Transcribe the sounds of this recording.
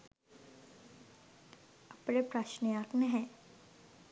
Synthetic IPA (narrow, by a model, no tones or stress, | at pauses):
ɐpnepɾaːʃnəjaːknəɦɛ̃ː